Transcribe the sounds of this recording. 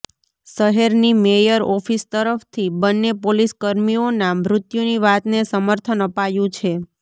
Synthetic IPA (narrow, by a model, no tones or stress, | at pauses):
ʃəɦɛɾnimejəɾɔfʰist̪əɾəft̪ʰibənːepoliskəɾmionamɾʊt̪juniʋat̪nesəməɾt̪ʰənəpajũt͡ʃʰe